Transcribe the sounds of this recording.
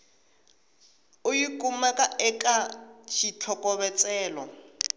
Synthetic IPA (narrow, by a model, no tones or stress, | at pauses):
ʊjikʼumakʼaʔɛkʼat͡ʃʰit͡ɬʰɔkʼɔβɛt͡sʼɛːlɔ